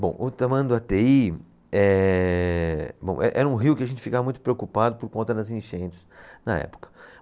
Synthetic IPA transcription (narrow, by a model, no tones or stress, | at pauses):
bõʔʊt̪amɐ̃jʊd̪ʊat̪ei | ɛ | bõ̰w̃ʔɛʔɛɾɐũɦiwkɪɐʒẽnt͡ʃɪfikavɐmũj̃t̪ʊpɾeokupad̪ʊpʊɾkõnt̪ɐd̪ɐzẽʃẽnt͡ʃɪ̥snɐ̰ɛ̰pʊ̥kɐ̥